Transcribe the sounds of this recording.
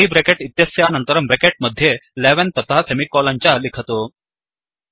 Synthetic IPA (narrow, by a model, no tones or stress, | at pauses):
iːbɾekeʈit̪jəsjanənt̪əɾəmbɾekeʈ̚məd̪ʱːjeleʋent̪ɐt̪ʰasemikɔlaɲt͡ɕjalikʰət̪o